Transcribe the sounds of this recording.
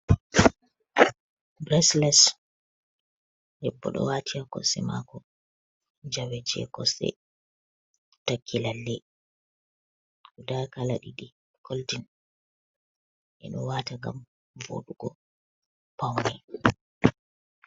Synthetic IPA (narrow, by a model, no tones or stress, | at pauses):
bɾɛslɛs | hɛbːɔ̰ɗɔ̰watʰiakɔsɛma̰ːkɔ | d͡ʒawɛt͡ʃɛkɔsɛ̰ | takʰːilalːɛ | kudakalaɗiɗi | kʰoltin | ʔɛɗɔwaːtaŋɡa̰m | vo̰ɗuɡɔ | pawnɛ